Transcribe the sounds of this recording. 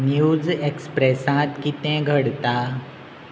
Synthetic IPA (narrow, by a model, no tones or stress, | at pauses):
njud͡zekspɾesãt̪kit̪ɛ̃ɡʱəɽt̪a